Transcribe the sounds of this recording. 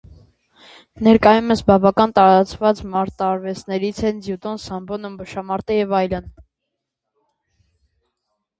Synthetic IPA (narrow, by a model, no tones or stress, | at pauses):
nɛɾkɑjuməsbɑvɑkɑnt̪ɑɾɑt͡svɑt͡smɑɾt̪ɑːɾvɛt͡snɛɾit͡sʰɛnzjut̪ɔnsɑmbɔnumbəʃɑmɑɾt̪əjɛvɑjlən